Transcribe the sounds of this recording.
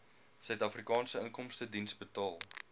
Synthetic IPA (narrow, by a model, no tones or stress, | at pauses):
sœɥtɐfrikɑːnsəəŋkɔmstədinsbətɑːlˠ